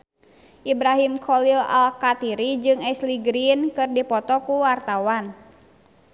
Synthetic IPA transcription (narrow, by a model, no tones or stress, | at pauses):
ʔibɾaɦimkʰɔlila̰lkat̪iɾid͡ʒɨŋɛsliɡɾinkɨrdipɔt̪ɔkuwart̪awan